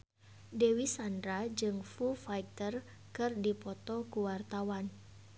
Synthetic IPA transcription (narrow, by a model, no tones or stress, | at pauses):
dewisandɾad͡ʒɨŋfufajt̪ər | kɨrdipɔt̪ɔkuwart̪awan